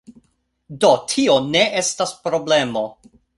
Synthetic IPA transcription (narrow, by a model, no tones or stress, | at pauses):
do̞tʰio̞ne̞ʔestaspɾo̞ble̞mo̞